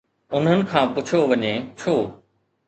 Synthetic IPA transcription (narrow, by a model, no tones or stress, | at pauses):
ʊnɦənɪ̆kʰãːpʊt͡ɕʰoʋɐɲet͡ɕʰoː